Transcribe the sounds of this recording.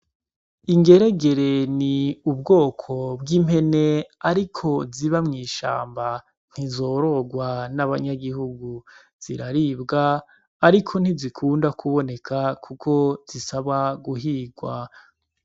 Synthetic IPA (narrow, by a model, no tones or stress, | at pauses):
iŋɡe̞ɾe̞ɡe̞ɾeniubɡo̞ːkʰo̞bɡiːm̥he̞ne̞aɾikʰo̞ziβamŋiːʃa̰ːmba | n̥hizo̞ːɾo̞ɡwanaβaɲaɡiɦuɡu | z̥iɾaɾibɡaː | ɾikʰo̞n̥izikʰuːndakʰuβo̞ne̞kʰakʰukʰo̞z̥isaβaɡuɦiːɡwa